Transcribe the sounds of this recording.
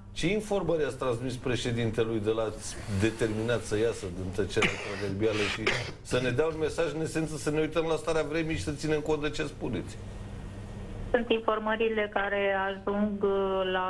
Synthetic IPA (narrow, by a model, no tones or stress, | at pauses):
t͡ʃe̞info̞rməɾiat̪sʲt̪ɾansmispɾe̞ʃe̞d̪int̪elujd̪elat̪sʲd̪e̞t̪e̞rminat̪səjasəd̪ɨnt̪ət͡ʃeɾeak̪ɾaverbialəʃi | səne̞d̪eaunme̞saʒɨne̞se̞nt̪səsəneujt̪əmlast̪aɾeavɾe̞miʃi̥sət̪sinemko̞nt̪at͡ʃeaspunet̪sʲ | sunt̪info̞rməɾile̞kaɾe̞aʒuŋɡla